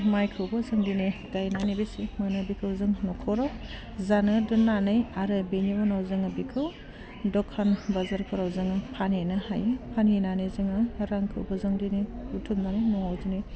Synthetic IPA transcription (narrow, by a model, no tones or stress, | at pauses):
majkʰɯwbɔzɯŋdineɡajnanibesimɯnɯbikʰɯwzɯŋnɔkʰɔɾaw | zanɯdɯnːanɯjaɾɯbenibanawzɯŋɯbikʰɯw | dɔkʰːanbazaɾkʰɔɾawzɯŋɯpʰanenɯhajɯpʰaninanezɯŋɯɾaŋkʰɯ̰wbɔzɯŋdiniutʰumdanejnɔawzɯni